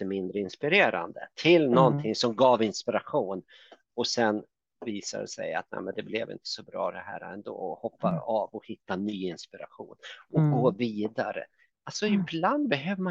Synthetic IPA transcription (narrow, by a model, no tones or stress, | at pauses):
əmɪnd̪ɾəɪnspɪɾeːɾa̰nd̪ə̰t̪ʰɪlnɔnt̪ʰɪŋsɔmɡɑːvɪnspɪɾaɧuːn | ɔsɛn | viːsa̰dɛ̰sɛ̰ja̰t̪̚nɛ̰ːmɛnd̪ɛblɛvɪ̰nt̪ʰə̥sɔbɾɑ̰ːd̪ɛhæ̰ːɾaɛnd̪o̰ːɔhɔpːaɑːvɔhɪt̪ːanyːɪnspɪɾa̰ɧṵːnɔɡoːviːd̪aɾə̰ | alsɔɪbland̪̚bɛɦøːvəma